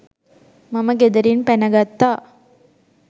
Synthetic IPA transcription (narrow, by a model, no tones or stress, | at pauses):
mɐmɐɡed̪ɐɾinpɛnɐɡat̪ːa